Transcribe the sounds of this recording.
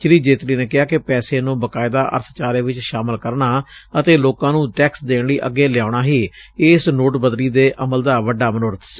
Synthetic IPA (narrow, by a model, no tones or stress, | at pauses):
t͡ʃɾiːd͡ʒeːt̪ɾiːneːkɪɦaːkɪpɛːseːnũːbəkaːɪd̪aːʔə̰ɾt̪ʰt͡ʃaːɾeːʋɪt͡ʃʃaːmɪlkəɾɳaːət̪eːloːkãːnũːʈɛːksd̪eːɳliːʔəɡːeːljaːɳaːɦiːɪsnoːʈbəd̪liːd̪eːʔəməld̪aːʋəɖaːmənoːɾət̪s